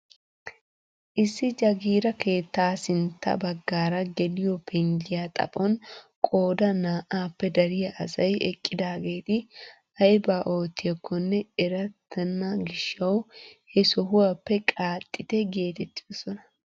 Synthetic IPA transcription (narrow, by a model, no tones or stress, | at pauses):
ʔɪsːɪd͡ʒɐɡiːɾɐke̞ːt̪ːaːsɪnt̪ʰːɐ̰bɐɡːaːɾɐɡɛlɪjɔpʰɛŋd͡ʒɪjaːt̪ʼɐ̰pʼɔnkʼo̞ːd̪ɐnaːʔaːpːɛd̪ɐɾɪjɐʔɐ̰sɐjɛ̰kʼːɪd̪aːɡe̞ːt̪ɪ | ɐjbaːʔo̞ːt̪ːɪjɐkːɔnːɛɛɾɐt̪ʰːɐnːɐɡɪʃːɐwhɛsɔɦʊwapːɛkʼaːt̪ʼːɪt̪ɛɡe̞ːt̪ɛt̪ʼːɪd̪ɔsɔnɐ̥